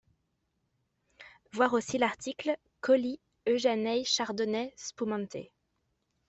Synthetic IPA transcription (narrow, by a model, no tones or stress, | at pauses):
vwaʁosilaʁt̪ikl | kɔli | øʒanɛjʃaʁd̪ɔnɛspumɑ̃t̪ʰḛ